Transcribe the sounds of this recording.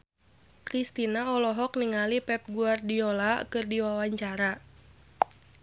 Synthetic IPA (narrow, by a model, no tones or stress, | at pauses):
t̪ɾist̪inaɔlɔɦɔkniŋalipɛp̚ɡuardiɔlakɨrdiwawaɲt͡ʃaɾa